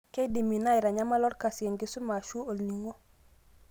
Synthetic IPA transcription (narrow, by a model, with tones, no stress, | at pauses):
kɛ˦di˨mi˨na˦ɪ˨ɾa˨ɲa˦ma˦lɔ˦ɾka˨sje˨ŋɡi˦su˦ma˨ʃu˦o˨lni˨ŋo˦